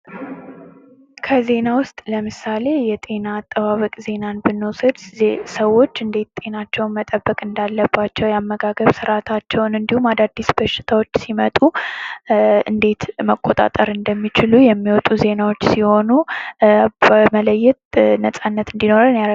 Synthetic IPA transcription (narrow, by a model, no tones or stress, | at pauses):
kʰəze̞nawʊst̪ʼləmɨsale̞jɛt̪ʼe̞naːt̪ʼːəβaβəkʼze̞nanbɨnːusəd̪səwːo̞t͡ʃːɨnd̪e̞t̪t̪ʼe̞nat͡ʃːɛwnmət̪ʼəbːəkʼɨnd̪alːəbːat͡ʃːɛwjamːəɡaɡəβsɨɾat̪ʰat͡ʃːɛwnɨnd̪ihumad̪ad̪ːisbəʃːɪ̥t̪ʰawo̞t͡ʃːsimət̪ʼu | ɨ̰nd̪e̞t̪məkʼːo̞t̪ʼa̰t̪ʼəɾɨnd̪əmːit͡ʃɪlujɛmːiwɔt̪ʼuze̞nawo̞t͡ʃːsiho̞nu | bəmələjːɛt̪nəsʼanːət̪ɨnd̪ino̞ɾɨnjaɾ